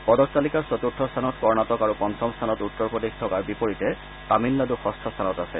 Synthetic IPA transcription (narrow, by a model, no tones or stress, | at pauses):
pɔdɔk̚talikaɹsɔtutʰːɔstʰanɔtkɔɹnatɔkaɹupɔntʰɔmst̪ʰanɔtutːɔɹpɔdextʰɔkaɹbipoɹitɛ | taminladuxɔstʰɔstʰanɔtasɛ